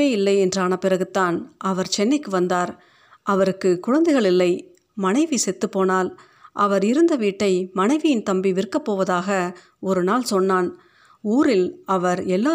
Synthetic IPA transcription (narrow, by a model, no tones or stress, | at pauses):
eːjɪlːɐɪɛndraːnɐpːɪrɐɣɯt̪ːaːnʔɐʋɐɾt͡ʃɛnːɐɪkːɯʋɐnd̪aːɾ | ʔɐʋɐɾɯkːɯkʊɻɐnd̪ɐɪɣɐɭɪlːɐɪ | mɐnɐɪʋisɛt̪ːɯpːoːnaːl | ʔɐʋɐɾɪɾɯnd̪ɐʋiːʈːɐɪmɐnɐɪʋɪjɪnt̪ɐmbiʋɪrkːɐpːoːʋɐðaːɣɐ | ɔɾɯnaːlsɔnːaːn | uːɾɪlɐʋɐɾɛlːaː